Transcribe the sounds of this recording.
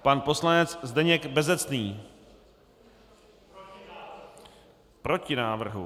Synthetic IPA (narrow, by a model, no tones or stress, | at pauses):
panpo̞slanɛt͡szd̪ɛɲɛɡbɛzɛt͡sniː | pɾo̞cɪnaːvr̩ɦṵ